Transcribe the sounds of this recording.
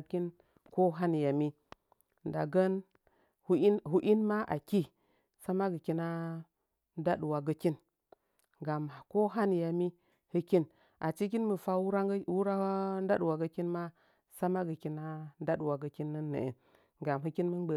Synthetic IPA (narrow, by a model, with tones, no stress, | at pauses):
ki˦n | ko˦ɦa˦ni˨ja˨mi˦ | nda˨ɡə˦n | hɦu˦ʔi˦nma˦ʔa˨ki˦ | sa˦ma˦ɡə˨ki˦na˦ | nda˦ɗu˨wa˨ɡə˦ki˦n | ɡa˨m˨ko˦ɦa˦ni˨ja˨mi˦ | hɨ˦ki˦n | a̰˨t͡ʃi˦k̬i˦nmə˨fa˦wɾa˦wu˦ɾa˦n˦da˦ɗu˨wa˨ɡə˦ki˦nma˦ | sa˦ma˦ɡə˨ki˦na˦n˦da˦ɗu˨wa˨ɡə˨ki˦nːə˦nːə̰˨ḛ˨n | ɡa˨mɦɨ˦ki˦nmə˦bə˨